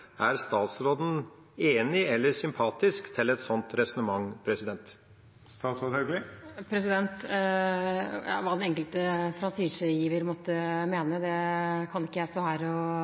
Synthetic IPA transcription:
ʔæɾst̪ɑːt̪sɾoːd̪n̩ | eːnɪɛlːəɾsʏmpʰɑːt̪ɪskt̪ʰɪlɛt̪sɔnt̪ɾɛsɔnəmɑŋːpʰɾɛsɪd̪ɛnt̪ | st̪ɑːt̪sɾoːd̪ɛlɡlɪpʰɾɛsɪd̪ɛnt̪ | jɑ̰ːʋɑːd̪ɛnɛŋkəlt̪əfɾɑnsiːsəjiːʋəɾmɔt̪ːəmeːnəd̪ɛkʰɑnɪkːəjæsɔhæːɾɔ

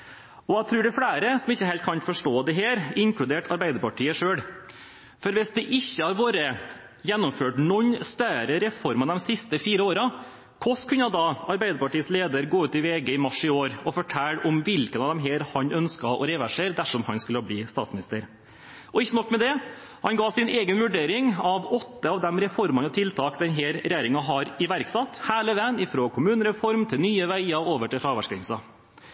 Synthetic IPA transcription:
ɔæt̪ʰɾʉːɖɛfɽæːɾəsɔmɪçːəhɛlt̪̚kʰɑnfɔʂʈoːd̪ɛɦeːɾɪŋkʰɽʉd̪eːʈʰɑɾbæɪd̪əɾpɑʈʰiːəʂøːɽ | fɔɾʋɪsd̪ɛʔɪçːəhɑɾʋoːɾə | jɛnːɔmføːʈnɔɲːst̪œɾəɾɛfɔɾmɑd̪ɛmsɪst̪əfiːɾəoːɾə | kʰɔskʰʉnːɑd̪ɑːɑɾbæɪd̪əɾpɑʈiːəsleːd̪əɾɡoːʉːt̪ɪʋeːɡəɪmɑʂɪoːɾɔfɔʈʰælːɔmʋɪlkənɑːʋd̪ɛmɦeːɾhɑɲœnskɑʔɔ̰ɾɛːʋæʂeːɾd̪æʂɔmhɑnskʉləbliːst̪ɑ̰ːt̪smɪnɪst̪əɾ | ʔɔɪçːənɔkːmɛd̪ɛ | hɑnɡɑːsɪneːɡənʋʉɖeːɾɪŋɑʋɔt̪ːəɑʋd̪ɛmɾɛfɔɾmɑnɔt̪ʰɪlt̪ʰɑːkd̪ɛnɦeːɾɾɛjæːɾɪŋɑɦɑɾɪʋæɾksɑt̪ːhæːɭəʋɛnɪfɾoːkʰʊmʉːnəɾɛfɔɾmt̪ʰɪlnyːəʋæɪɑoːʋəʈɪlfɾɑːʋæʂkɪŋsɑ

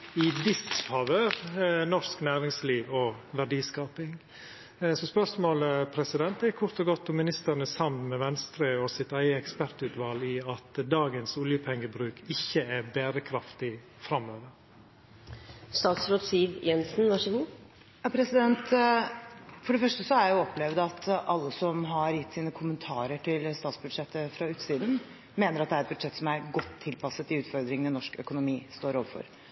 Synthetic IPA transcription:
ɪd̪ɪsksɑʋøɾnɔsknæːɾɪŋsliːʋɔʋæɖiːskɑːpɪŋ | sɔspœʂmoːləpʰɾɛsɪd̪ɛnt̪ækʰʊɾt̪ɔɡɔt̪ːɔmɪnɪst̪əɾnəsɑmnmɛʋɛnst̪ɾəɔsɪt̪æɪəɛkspæɾt̪ʉːt̪ʋɑliɑt̪d̪ɑːɡənsʊljəpʰɛŋːəbɾʉːkʰɪçːəæbeːɾəkʰɾɑft̪ɪ | fɾɑmøːʋəɾ | st̪ɑːt̪sɾoːt̪siːʋjɛnsn̩ʋɑʂəɡ | jɑpʰɾɛsɪd̪ɛnt̪ | fɔɖɛfœʂʈəsɔæɾjæjʊɔpːlɛʋd̪ɑt̪ɑlːəsɔmɦɑɾjɪt̪ːsiːnəkʰʊmənt̪ʰɑːɾəʈʰɪlst̪ɑːt̪sbʉd̪ʂɛt̪ːəfɾɑʉːt̪siːd̪n̩ | meːnəɾɑt̪d̪ɛæɾɛt̪bʉd̪ʂɛt̪ːsɔmæɾɡɔt̪ʰːɪlpɑsət̪ɪʉːt̪fɔɾd̪ɾɪŋənɪnɔʂkœ̰kʊnʊmiːst̪oːɾoːʋəfɔ̰ɾ

